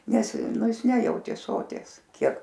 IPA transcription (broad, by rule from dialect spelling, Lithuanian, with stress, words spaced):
ˈnʲɛs ˈnʊ ˈjɪs ˈnʲæːjɛʊtʲeː ˈsoːtʲiɛs ˈkʲiɛk